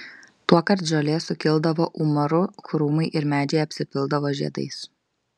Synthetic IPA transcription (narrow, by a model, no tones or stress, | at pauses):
t̪uɔkɐɾt̪ʒʲolʲeːsʊkʲɪlˠd̪ɐʋoːʔumɐɾʊkɾuːmɐɪʔɪɾmʲæːd͡ʒʲeːjɐpʲsʲɪpʲɪlˠd̪ɐʋoːʒʲḭɛ̰d̪ɐ̰ɪs